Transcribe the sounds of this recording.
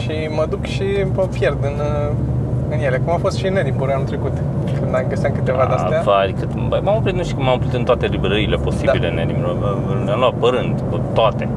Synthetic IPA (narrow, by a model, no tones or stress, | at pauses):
ʃi | məd̪ukʃipəpjerd̪ɨn | ɨnje̞lekumafo̞st̪ʃineɾipəɾanut̪ɾekut̪ | kɨnd̪amɡəsiakɨt̪evad̪a̰eafaɾʲkɨt̪ba̰mamopɾit̪nuʃt̪i̥kəmamopɾit̪ɨnt̪oat̪e̞libɾəɾile̞po̞sibilena̰nimlo | ɨnamluat̪̚pəɾɨnd̪ət̪oat̪e